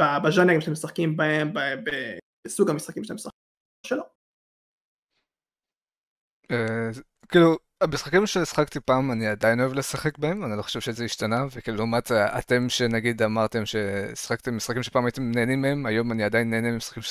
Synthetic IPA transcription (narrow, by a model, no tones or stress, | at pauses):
abaʒanaɡamʃtemesaχkimbahembebe | suɡamisχakimʃatemsa | ʃelo | e | kiːlu | amisχakimʃeisχakt̪ipaːmaniadajino̞evlesaχe̞k̚bae̞manilo̞χo̥ʃevʃezeiʃtanavekiːlulumata̰te̞mʃe̞naɡid̪amaʁt̪e̞mʃe̞̰sχak̚t̪emːisχakimʃepaːmajit̪emneːnimeemajo̞maniadajinːeːnememisχḁkimʃ